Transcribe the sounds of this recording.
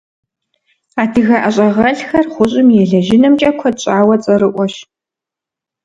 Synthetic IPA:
aːdʰɨɣɐʔɐɕʼɐʁɐɬxɐrχʷʊɕʼɪmjɛɮɐʒɪnɐmt͡ʃʼɐkʷʰɔɕʼaːwɐt͡sʼɐɾɨʔʷɔɕ

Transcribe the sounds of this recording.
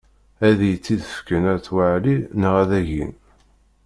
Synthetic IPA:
æðjət͡sːiðəfkənæt͡sːwaʕlinəʁæðæʝḭn

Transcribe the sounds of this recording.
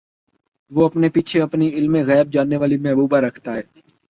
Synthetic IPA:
ʋoːɐpnepiːt͡ʃʰeɐpniɪlmẽɣɛːb̚d͡ʒaːnːeʋaːlimɛɦbuːbaɾəkʰt̪aɦɛː

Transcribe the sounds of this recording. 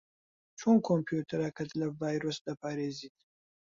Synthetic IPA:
t͡ʃʰonkʰompʰjut̪ʰɐɾakʰɐt̪ʰlɐvaːjɾosd̪ɐpʰaːɾeːzit̪

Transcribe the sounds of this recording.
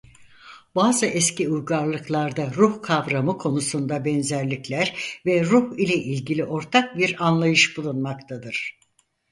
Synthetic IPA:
baːzɯʔɛsciujɡaɾlˠɯklˠaɾd̪aɾuhkʰavɾamɯkʰo̞nusund̪abɛnzæɾlʲiclʲæɾvɛɾuhilʲɛʔilʲɟilʲiʔo̞ɾt̪ʰak̚biɾanlˠajɯʃbulˠunmakt̪ʰad̪ɯɾ̥

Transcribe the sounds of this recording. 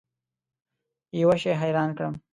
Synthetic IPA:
jawaʃeɦajɾɑːnkɽəm

